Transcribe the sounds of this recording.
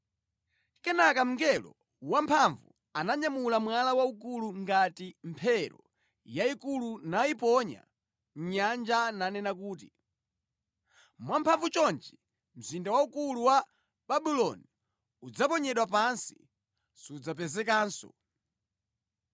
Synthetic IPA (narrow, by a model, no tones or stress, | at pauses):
kɛnakam̩ŋɡɛlɔ̰ | wampʰaɱvu | anaɲamulamwalawauk̬uluŋɡatimpʰɛɾɔ̰ | jaikulunaipɔɲa̰ | ɲand͡ʒananɛnak̬uːti | mwampʰaɱvut͡ʃɔnt͡ʃɛ | m̩zindawaukuluwa | ɓaɓilɔni | ud͡zapɔɲɛɗwapansi̥ | sud͡zapɛzɛkaːnsɔ̰